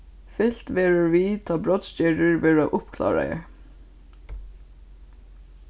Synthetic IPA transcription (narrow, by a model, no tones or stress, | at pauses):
fɪl̥t̪ʋeːɹəɹʋiːt̪ʰɑːbɹɔd̪scɛɖəɹʋeːɹɑʔʊpkʰlɑ̰ːɹɑ̰ə̰